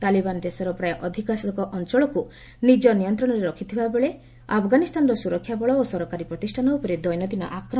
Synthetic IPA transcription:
t̪alibanɔd̪esɔɾɔpɾajɔʔɔd̪ʱikɔasɔd̪ɔkɔʔɔnt͡ʃɔɭɔku | nid͡ʒɔnijɔnt̪ɾɔɽ̃ɔɾeɾɔkʰit̪ʰibabeɭe | a̰pʰɡanist̪ʰanɔɾɔsuɾɔkʰːjabɔɭɔosɔɾɔkaɾipɾɔt̪isʈʰanɔupɔɾed̪ɔjnɔd̪ʱina̰ʔakɾɔ

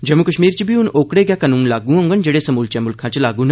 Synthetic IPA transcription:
d͡ʒəmːukəʃmiːɾt͡ʃibʱiunoːkɽeɡjakɐnuːnlaːɡũɐ̃ŋɡənd͡ʒeɽesɐmuːlt͡ʃɛmulkʰãt͡ɕelaːɡũːn

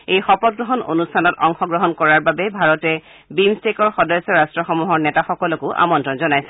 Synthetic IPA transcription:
ejxɔpɔt̚ɡɹɔɦɔno̰nustʰanɔtɔŋxɔɡɹɔɦɔnkɔɹaɹbabɛbʱaɹɔtɛ | bimstekɔɹxɔdɔjsɔɹastɹɔxɔmuɦɔɹnɛtaxɔkɔlɔkʊʔa̰mɔntɹɔnzɔnajsɛ̥

